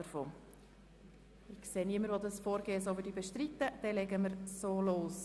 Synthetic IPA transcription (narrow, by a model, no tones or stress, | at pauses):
əɾfoː | ɪkseːniəməɾʋod̪ɑsfoːɾɡeːəsoːʋɪdibɛʃtɾit̪ːəd̪̥ɛlɛɡəməɾsoːloːs